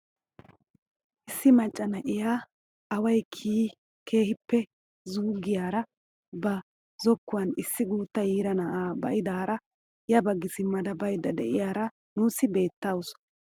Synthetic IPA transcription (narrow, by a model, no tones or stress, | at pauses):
ʔɪsːɪmɐt͡ʃʼːɐnɐʔɪjaː | ɐwɐjkʰiː | kʰe̞ːhɪpːɛ | zuːɡɪjaːɾɐ | bɐ | zɔkːʊwɐnɪsːɪɡuːt̪ːɐjiːɾɐnɐʔaːbɐ̰ʔɪd̪aːɾɐ | jɐbɐɡːɪsɪmːɐd̪ɐbɐjd̪ɐd̪ɛ̰ʔɪjaːɾɐ | nuːsːɪbe̞ːt̪ːaws